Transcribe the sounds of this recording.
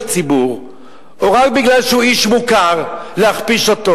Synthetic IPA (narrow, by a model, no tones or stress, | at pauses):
t͡sibuʁ | oʁak̚biɡlalʃehuiʃmukaʁleaχpiʃo̞t̪o